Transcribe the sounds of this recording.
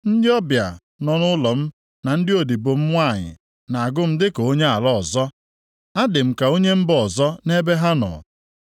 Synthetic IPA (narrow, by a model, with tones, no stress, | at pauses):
n̩˦dɪ˦ɔ˦bja˨ | nɔ˨nʊ˦lɔ˨m̩˦ | na˨n̩˦dɪ˦o˨di˨bo˨m̩˦ŋʷa˦˨ɲɪ̰˨ | na˨a˨ɡʊ˦m̩˦dɪ˦ko˨o˦ɲe˦a˨lɔ˦˨zɔ˦ | a˦dɪ˨m̩˨ka˨o˦ɲe˦m̩˦bɔ˨zɔ˦ne˦be˦ɦa˦nɔ̰˨